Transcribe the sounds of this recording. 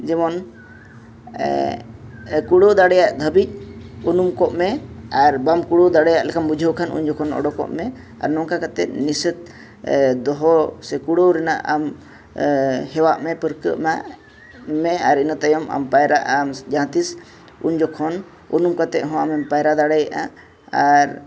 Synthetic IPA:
d͡ʒɛmɔn | kuɽowd̪aɽɛjaʔd̪ʱəbic̚ˀunumkɔʔmɛaɾbamkuɽowd̪aɽɛjaʔlɛkʰambud͡ʒʱəwkʰanʔṵɲd͡ʒɔkʰɔnɔ̰ɽɔkɔ̰ʔmɛ | a̰ɾnɔŋkakat̪ɛʔ̪̚nisət̪̚ | d̪ɔɦɔsɛkuɽowɾɛna̰ʔam | hɛwaʔmɛpəɾkə̰ʔmaʔ | mɛaɾinət̪ajɔma̰mpajɾaʔamd͡ʒãt̪is | ṵɲd͡ʒɔkʰɔn | unumkat̪ɛʔ̚ɦɔ̃amɛmpajɾad̪aɽɛjaʔa | aɾ

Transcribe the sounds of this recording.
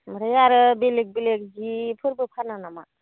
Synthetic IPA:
məɾɯjaɾɯbelek̚belek̚zipʰɯɾbɯpʰananama

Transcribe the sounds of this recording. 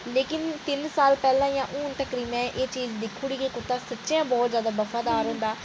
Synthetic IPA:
leːkɪnt̪ɪnsaːlpɛːlãːjãːʔuːnt̪əkɾiːmɛ̃ːʔeːt͡ʃiːzd̪ɪkʰːuɽiːkeːkʊt̪ːaːsətːʃãːbɔːt̪zjaːd̪aːbəfaːd̪aːɾɦʊ̃nd̪aː

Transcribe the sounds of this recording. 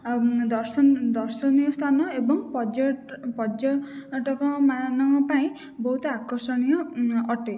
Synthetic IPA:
d̪ɔɾsɔd̪ɔɾsɔnijɔst̪ʰanɔebɔŋpɔd͡ʒɔpɔd͡ʒjɔʈɔkɔmanɔŋɔpaĩ | bɔɦut̪ɔakɔsɔɽ̃ijɔɔʈe

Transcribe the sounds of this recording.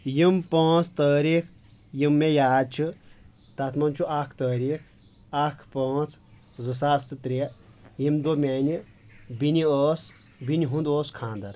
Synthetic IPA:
jimpə̃ːt͡sʰt̪əːɾiːkʰ | jimːejaːd̪̚t͡ʃʰi | t̪at̪ʰmɐnt͡ʃʰuakʰt̪əːɾiːk̚ʰ | akʰpɐːt͡sʰ | zɨs̬aːsɨt̪ɾejimd̪omʲeːnʲi | binʲioːs | binʲiɦũnd̪oːskʰãːnd̪ɐɾ

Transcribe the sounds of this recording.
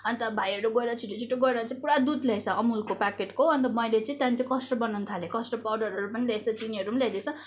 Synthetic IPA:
ʌnt̪ʌbʱajʌɾuɡʌeɾat͡sʰiʈːot͡sʰiʈoɡʌeɾat͡sãĩpuɽad̪ud̪lajt͡sʰʌʌmulkopakeʈkoɦoʌnt̪ʌmʌjlet͡sãĩt̪jãnt͡sikʌsʈʌbʌnant̪ʰalekʌsʈʌpawɖʌɾʌɾupʌnilajt͡sʰʌt͡siniʌɾunlad̪et͡sʰʌ

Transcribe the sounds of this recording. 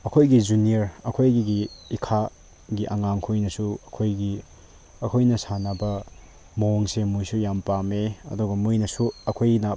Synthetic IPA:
ɐkʰojɡid͡ʒunieɾɐkʰojɡiɡiikʰa | ɡiʔɐŋaŋkʰujnɐsuɐkʰojɡi | ɐkʰojnɐsanɐbɐ | moŋsemujsujampameɐ̰duɡɐmujnɐsuɐkʰojnɐ

